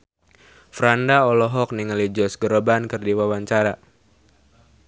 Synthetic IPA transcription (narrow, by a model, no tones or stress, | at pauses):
fɾandaɔlɔɦɔk̚niŋəlid͡ʒɔsɡəɾobankɨrdiwawaɲt͡ʃaɾa